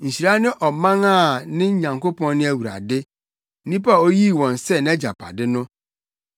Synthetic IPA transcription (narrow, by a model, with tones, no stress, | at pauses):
ɲ̩˨ɕi˨ɾa˦nɪ̃˦ʔɔ˨mã˦ŋa˦˨nɪ̃˦ɲã˨ŋko˦pʰɔ̃˦nːɪ̃˦æ˦wu˨ɾa̰˨dɪ˦ | nĩ˦pa˦˨o˦ji˦˨wɔ̃˨n˨sɛ˦nɛ̃˦d͡ʑa̰˨pʰa̰˨dɪ˦nʊ̃˦